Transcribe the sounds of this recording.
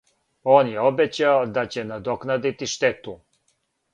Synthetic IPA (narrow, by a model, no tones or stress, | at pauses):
oːnjeobet͡ɕaod̪at͡ɕenad̪oknad̪it̪iʃt̪et̪u